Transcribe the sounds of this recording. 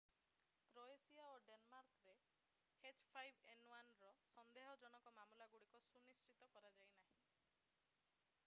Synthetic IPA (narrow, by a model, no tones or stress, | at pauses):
kɾoesiaoɖenmaɾkɾe | het͡ʃpʰajbʱenwanɾɔsɔnd̪eɦɔd͡ʒɔñɔkɔmamulaɡuɽikɔsunist͡ʃit̪ɔkɔɾad͡ʒajnaɦĩ